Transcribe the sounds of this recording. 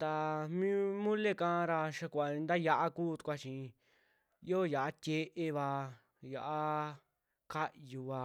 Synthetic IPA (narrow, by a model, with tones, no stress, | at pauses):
t̪a˧mĩ˦mũ˦le˦kã˧˦˧ɾa˧ʃa˧kʷa˨ĩ˧nd̪a˦ja˧ʔa˦kuː˦˨t̪u̥˧kʷa˧t͡ʃĩ˧ | jo˦˨ja˨ʔa˦t̪ʲe˧ʔe˧βa˧ | ja˨ʔa˦ | ka˦ju˧βa˧